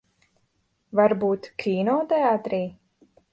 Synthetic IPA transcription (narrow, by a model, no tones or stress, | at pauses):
vaɾbuːt̪kʲʰiːnɔːt̪ɛaːt̪ɾiː